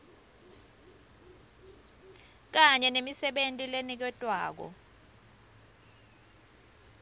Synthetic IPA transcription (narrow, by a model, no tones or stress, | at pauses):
k̬aɲɛnemisɛɓentʼilenik̬ɛtʼwaːk̬ɔ̰